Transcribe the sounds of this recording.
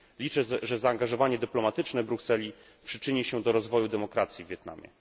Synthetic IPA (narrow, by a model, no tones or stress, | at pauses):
lʲit͡ʂɛʐɛzaːŋɡaʐɔvaɲɛd̪ɘplɔmat̪ɘt͡ʂnɛbɾuksɛlʲi | pʂɘt͡ʂɘɲiɕɛd̪ɔɾɔzvɔjud̪ɛmɔkɾat̪sʲjivʲjɛt̪̚na̰mʲjɛ̰